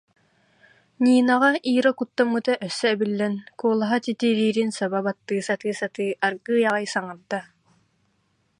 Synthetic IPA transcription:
ɲiːnaʁaʔiːɾɔkut̪ːamːɯt̪aʔœsːœːbilːɛnkuɔlˠaɦat̪it̪iɾiːɾinsababat̪ːɯːsat̪ɯːsat̪ɯːʔaɾɡɯːjaʁajsaŋɯɾd̪a

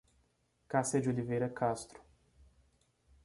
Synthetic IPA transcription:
kasɐd͡ʒolivejɾɐkʰast̪ɾʊ̥

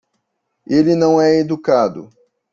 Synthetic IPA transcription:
elinɐ̃w̃ɛed̪ukad̪ʊ̰

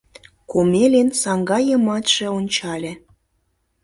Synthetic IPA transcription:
komelʲensɑŋɡɑjə̆mɑt̪ʃĕonʲt͡ɕɑlʲĕ

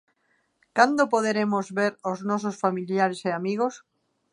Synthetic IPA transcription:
kand̪opoðeɾemozβeɾoznososfamiljaɾeseamiɣ̞os

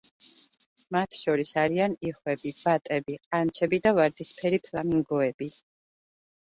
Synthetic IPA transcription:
mat̪ʰʃɔɾisaɾianiχwɛbib̥at̪ʼɛbiqʼant͡ʃʰɛbid̪avaɾd̪ispʰɛɾipʰlaniŋɡɔɛbi

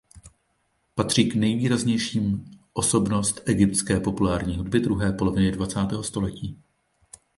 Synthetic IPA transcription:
pat̪r̝̥iːknɛjviːɾazɲɛjʃiːmʔo̞so̞bno̞st̪ʔɛɡɪpt̪skɛːpo̞pulaːɾɲiːɦud̚bɪdɾuɦɛːpo̞lo̞vɪnɪdvat͡saːt̪ɛːɦo̞st̪o̞lɛciː

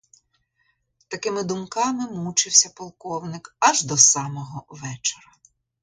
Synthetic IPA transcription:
t̪ɐkɪmɪd̪ʊmkɑmɪmut͡ʃɪwsʲɐpɔlˠkɔwnɪkɐʒd̪ɔsɑmɔɦɔʋɛt͡ʃeɾɐ

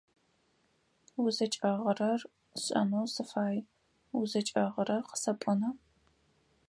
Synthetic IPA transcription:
wʊzɐt͡ʃʼɐʁərɐr | ɕʼɐ̰nowsɨfaːj | wʊzɐt͡ʃʼɐʁəɾɐqə̥sɐpʷʼʊnɐ

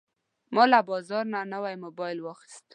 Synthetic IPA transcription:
mɔlabɔzɔɾnanawajmʊbɔjɪlwɔxɪ̥st̪

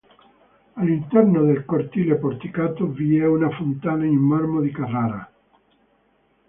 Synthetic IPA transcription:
alint̪ɛrnod̪elkort̪ilepoɾt̪ikaːt̪oviɛunafont̪aːnaimːarmod̪ikaraːɾa̰

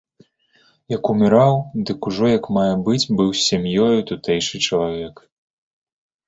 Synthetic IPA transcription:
jɐkumʲiɾawd̪ɨkuʐɔjɐkmajɛbɨd͡zʲbɨwsʲamʲjɔjut̪ut̪ɛjʂɨt͡ʂɐlˠavʲɛk

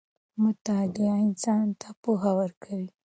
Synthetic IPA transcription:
mʊt̪ad̪eaɪnsɑnt̪ʰapuɦawəɾkʰawi

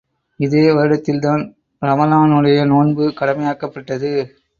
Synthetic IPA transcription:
ɪðeːʋɐɾɯɽɐt̪ːɪlt̪aːn | ɾɐmɐlaːnɯɽɐjɐnoːɳbɯkɐɽɐmɐjaːkɐpːɐʈːɐðɯ

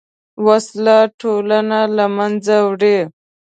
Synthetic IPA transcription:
waslaʈʰolanalamand͡zawɽe

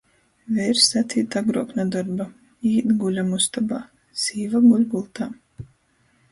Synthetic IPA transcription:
vʲɛjɾsat̪sʲiːt̪aɡɾuɔknad̪ɔɾba | iːd̪ɡulʲamust̪aba | siːvaɡulʲɡulˠt̪aː

